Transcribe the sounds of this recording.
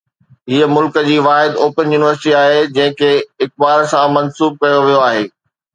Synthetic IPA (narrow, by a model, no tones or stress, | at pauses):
ɦiːəmʊlkə̆d͡ʑiːʋaːɦɪd̪oːpənjuːnɪʋəɾsɪʈiaːɦed͡ʑɐ̃ɦɪ̃kʰeːɪk̚baːɾsãmɐnsuːb̚kɐjoʋijoaːɦeː